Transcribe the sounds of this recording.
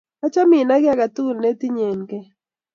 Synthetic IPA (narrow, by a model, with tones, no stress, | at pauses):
a˦t͡ʃa˦mi˨na˦ɣe˦a˦ɣa˨t̪u˦ne˦t̪i˦ɲe˨ŋke˦